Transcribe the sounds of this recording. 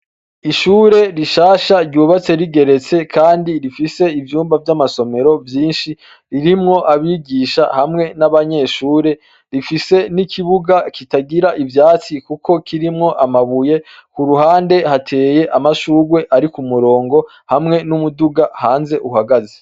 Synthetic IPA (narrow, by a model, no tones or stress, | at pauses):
iʃuːɾe̞ɾiʃaːʃaɾɟuːβat͡se̞ɾiɡe̞ɾe̞t͡se̞kʰaːndiɾifise̞ivjuːmbavjamaso̞me̞ɾo̞vjiːnʃi | ɾiɾimŋo̞ʔaβiːɡiʃa̰hamŋe̞naβaɲe̞ʃuːɾe̞ | ɾifise̞nikʰiβuɡakitaɡiɾaʔivjaːt͡sikukʰo̞kʰiɾimŋo̞ʔamaβuje̞kuɾuɦaːnde̞hatʰe̞ːje̞ʔamaʃuːɡwe̞ʔaɾikumuɾo̞ːŋɡo̞ | hamŋe̞numuduɡahaːnze̞ʔuɦaɡazi